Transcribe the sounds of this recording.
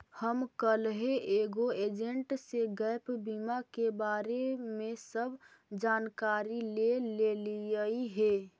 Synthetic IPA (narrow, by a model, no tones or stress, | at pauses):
həmkəlɦeʔeːɡoeːd͡ʒeɳʈseɡəɪpbimakebaːɾemesəbʱ | d͡ʒaːnkaːɾileleliəiɦe